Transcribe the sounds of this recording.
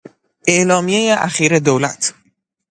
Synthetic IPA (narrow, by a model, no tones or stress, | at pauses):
ʔeʔlɒːmije̞jeʔæxiːɾe̞d̪owlæ̰t̪ʰ